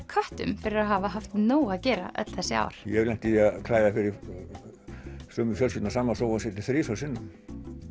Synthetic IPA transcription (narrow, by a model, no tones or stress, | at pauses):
kʰœht̪ʏ̰mfɪɾɪɾaðɦaːvaɦaft̪noːwaðcɛːɾa̰ʔœ̰t̪l̥θɛsːɪa̰ːwɾ̥jɛlɛn̥t̪ɪðiakʰlaːjðafɪɾɪɾ | sœːmʏfjœlsçʏt̪nasaːmːasɔwasɛt̪ɪθɾɪːsœsɪnːʏm